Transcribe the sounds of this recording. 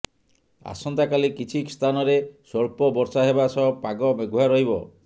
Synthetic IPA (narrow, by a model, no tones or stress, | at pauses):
a̰sɔnt̪akalikit͡ʃʰiki̥st̪ʰanɔɾesɔɭpɔbɔɾsaɦebasɔpaɡɔbeɡuɦaɾɔɦibɔ